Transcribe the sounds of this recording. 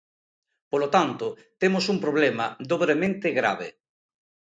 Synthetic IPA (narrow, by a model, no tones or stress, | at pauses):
polot̪ant̪o | t̪emosumpɾoβlemaðoβɾemẽnt̪eɣɾa̰β̞ḛ